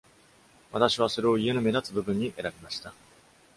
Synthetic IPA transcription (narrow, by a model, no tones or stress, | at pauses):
βat̪aɕiβ̞aso̞ɾe̞o̞ie̞nome̞d̪at͡sɨbɯ̟bɯ̟̃ɲ̟ːiʔe̞ɾabʲimaɕi̥t̪a